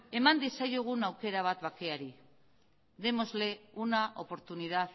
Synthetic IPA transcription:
e̞mand̪isajoɣ̞unawke̞ɾaβ̞at̪βake̞aɾi | ðe̞mo̞zle̞unaʔo̞po̞ɾt̪uniðað

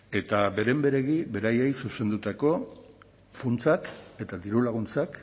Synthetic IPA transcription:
e̞t̪abe̞ɾe̞mbe̞ɾe̞ɣiβe̞ɾaje̞jsuse̞nd̪ut̪ako̞ | funt͡sake̞t̪ad̪iɾulaɣ̞unt͡sak

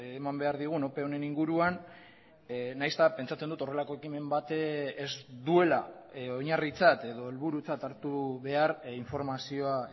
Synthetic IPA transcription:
emambe̞aɾðiɣ̞uno̞pe̞o̞ne̞niŋɡuɾuan | nːajst̪ape̞nt͡sat͡send̪ut̪o̞re̞lako̞e̞kime̞mbat̪ezd̪ue̞la̰ | oɲarit͡sat̪e̞ðo̞e̞lβuɾut͡sat̪aɾt̪uβe̞aɾiɱfo̞ɾmasio̞a

